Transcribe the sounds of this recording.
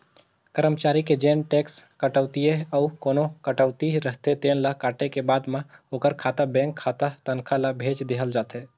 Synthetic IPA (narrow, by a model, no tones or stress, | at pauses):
kəɾəmt͡ʃaːɾiked͡ʒeːnʈeːkskəʈəʊt̪ijeɐʊkoːnokəʈəʊt̪iɾəɦt̪et̪eːnlakaːʈekebaːd̪mãoːkəɾkʰaːt̪abɛ̃ːŋkʰːaːt̪at̪ənkʰalabʱeːt͡ʃd̪eɦəld͡ʒaːt̪eː